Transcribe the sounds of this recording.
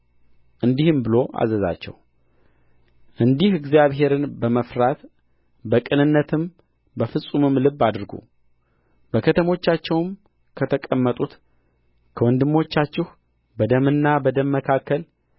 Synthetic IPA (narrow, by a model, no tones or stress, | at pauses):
ʔɨnd̪ihɨmbɨlo̞ʔa̰zəza̰t͡ʃːɛ̰w | ʔɨnd̪ihɨɡzjaβɦe̞ɾɨnbəməfɾat̪ | bəkʼɨnɨnːət̪ʰɨm | bəfɨsʼumɨmlɨbːad̪ɾɡṵ | b̥əkʰət̪ʰəmo̞t͡ʃːat͡ʃːɛwm | kʰət̪ʰəkʼəmːət̪ʼut̪ | kʰəwɔnd̪ɨmːo̞t͡ʃːat͡ʃːɪh | bəd̪əmɨnːabəd̪əmːəkʰakːəl